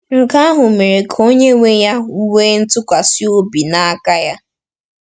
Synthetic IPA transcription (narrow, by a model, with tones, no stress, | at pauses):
ŋ̩˨ka˦a˦ɦʊ˨me˨ɾe˨kʰo˦ɲe˦ŋʷe˦ja˦u˦we˦n̩˦tʊ˦kʷa˨si˦o˦bi˨na˦a˦ka˦ja˦